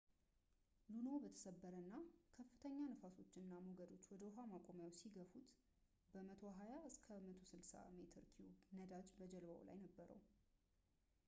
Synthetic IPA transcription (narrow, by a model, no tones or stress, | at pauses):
lunobət̪ʰə̥səbːəɾənːakʰəfːɨt̪ʰəɲːanəfaso̞t͡ʃːɪnːamoɡəd̪o̞t͡ʃːwɔd̪əʊɦamakʼomjawsiɡəfut̪ | bəmət̪ʰo̞ɦajaɨskʰəmət̪ʰo̞sɨlsa̰me̞t̪ʰɨɾkʰiunəd̪ad͡ʒbəd͡ʒɛlba̰w̰la̰jnəbːəɾə̰w